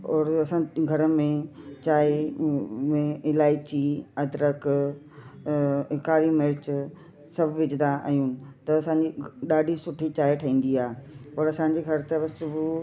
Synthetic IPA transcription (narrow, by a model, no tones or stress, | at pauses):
ɔːɾɐsãɡʱɐɾəmẽt͡ɕaːe | mẽɪlaːɪt͡ɕiɐd̪ɾək | ɪkaːɾimɪɾɪt͡ɕ | sɐbʱʋɪd͡ʑɪd̪ãʔɐ̰jũːnɪ̆t̪ɐɐsãːɲd͡ʑiɗaːɖʱisʊʈʰit͡ɕaːeʈʰɐĩːn̆d̪iaːɦepɐɾɐsãɲ̆d͡ʑiɡʱɐɾt̪ɐʋɐssʊbʱʊ